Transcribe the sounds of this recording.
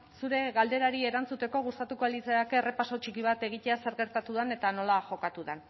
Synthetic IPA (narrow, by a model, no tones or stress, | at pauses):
suɾe̞ɣald̪e̞ɾaɾie̞ɾant͡sut̪e̞ko̞ɣ̞ust̪at̪ukoalit͡seakere̞paso̞t͡ʃikiβ̞at̪e̞ɣ̞it̪e̞ase̞ɾɣe̞ɾt̪at̪uðane̞t̪ano̞laʝo̞kat̪uðan